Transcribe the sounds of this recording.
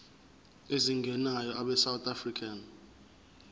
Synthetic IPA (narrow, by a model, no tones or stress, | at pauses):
eziŋɡʱɛnajɔʔaɓɛsawt̪ʰʼafrikʰan